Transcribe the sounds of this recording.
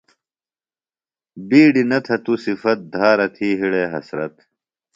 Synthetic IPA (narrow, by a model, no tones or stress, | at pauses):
biːɖinɐt̪ʰɐt̪usifɐt̪̚d̪ʱaːɾɐt̪ʰiːɦiɽeːɦɐ̰sɾɐ̰t̪